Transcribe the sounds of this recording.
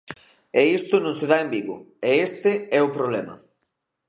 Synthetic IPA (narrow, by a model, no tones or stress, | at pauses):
ɛist̪ʊnʊ̃seðaembiɣʊ̰eest̪ɪɛʊpɾoβlɛmɐ̰